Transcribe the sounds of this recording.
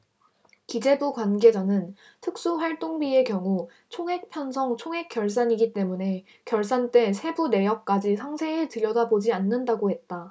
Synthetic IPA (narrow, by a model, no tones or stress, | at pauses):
kid͡ʑe̞bukwanɡe̞d͡ʑanɯn | tʰɯk̚s͈uɸwaɭt͈oŋbie̞kjʌŋu | t͡ɕʰoŋɦe̞k̚pʰjʌnsʰʌŋt͡ɕʰoŋɦe̞k͈jʌɭs̬͈aɲiɡit͈e̞mune̞ | kjʌɭs͈ant͈e̞sʰe̞bune̞jʌk̚k͈ad͡ʑisʰaŋsʰe̞ɯtɯɾjʌdabod͡ʑianːɯndaɡohe̞t̚t͈a